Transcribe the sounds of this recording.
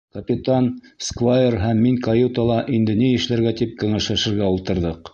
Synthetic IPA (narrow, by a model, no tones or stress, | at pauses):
kɐpʲit̪anskvajerɦæmːiŋkɐjut̪ɑlˠɑʔind̪ɘnijɘ̆ʃlæɾɡæt̪ip̚kɵ̆ŋæʃlæʃɘ̆ɾɡæulˠt̪ɤ̆ɾðɤq